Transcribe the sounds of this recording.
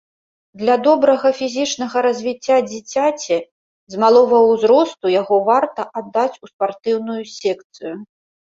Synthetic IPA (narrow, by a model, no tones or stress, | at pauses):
d̪lʲad̪ɔbɾɐɣɐfʲizʲit͡ʂnɐɣɐɾɐzʲvʲit͡sʲːad͡zʲit͡sʲat͡sʲɛ | zmalˠɔvɐwzɾɔst̪ujaɣɔvart̪ɐʔad̪ːat͡sʲuspart̪ɨwnujusʲɛkt̪sɨju